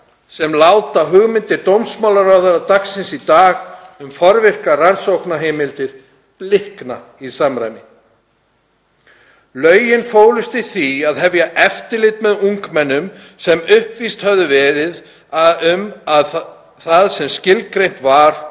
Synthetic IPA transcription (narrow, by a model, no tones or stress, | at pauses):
sɛmlawt̪aɦʏɣmɪnt̪ɪɾt̪owmsmawlaɾawðaɾat̪aksɪnsit̪aːɣʏmfɔɾvɪr̥karansowknaɦeːmɪlt̪ɪɾ̥ | plɪhkna | isamɾa̰jmɪ | lœːɥjɪnfoːwlʏst̪ɪθiaðɦɛvjaʔɛft̪ɪlɪt̪mɛðuŋkmɛnːʏm | sɛmʏhpvist̪hœvðʏvɛːɾɪð | ʏmað | θaðsɛmscɪlkɾejn̥t̪vaɾ̥